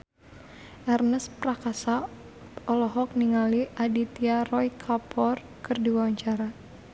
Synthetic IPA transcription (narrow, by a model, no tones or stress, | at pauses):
ʔɛrnəspɾakasa | ɔlɔɦɔk̚niŋaliʔadit̪iarɔjkʰapʰɔr | kɨrdiwawaɲt͡ʃaɾa